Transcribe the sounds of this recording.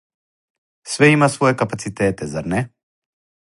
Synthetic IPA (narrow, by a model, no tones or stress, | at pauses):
svɛimasvɔɛkapat̪sit̪ɛt̪ɛzaɾnɛ